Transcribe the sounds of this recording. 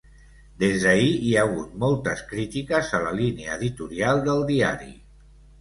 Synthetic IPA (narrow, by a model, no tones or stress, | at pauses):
d̪ezðəiiaːɣ̞ut̪mɔlˠt̪əskɾit̪ikəzələlineəːðit̪uɾialˠd̪əlˠd̪iaɾḭ